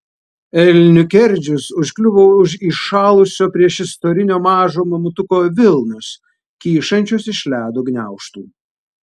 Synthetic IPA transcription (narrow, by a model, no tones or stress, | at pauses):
ɛlʲnʲʊkʲɛɾʲd͡ʒʲʊsʊʃʲkʲlʲʊʋoːʊʃiʃɑːlˠʊsʲoːpʲɾʲiɛʃɪst̪oːɾʲɪnʲoːmɑːʒoːmɐmʊt̪ʊkoːʋʲɪlˠnʊs | kʲiːʃɐnʲt͡ʃʲosɪʃʲlʲæːd̪oːɡnʲæˑʊʃt̪ṵː